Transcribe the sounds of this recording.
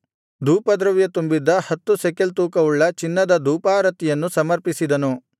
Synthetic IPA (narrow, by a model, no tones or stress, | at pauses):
d̪uːpɐd̪ɾɐʋjɐt̪umbid̪ːɐhɐt̪ːusekelt̪uːkɐʋuɭːɐt͡ʃinːɐd̪ɐd̪uːpaːɾɐt̪ijɐnːusɐmɐɾpisid̪ɐnu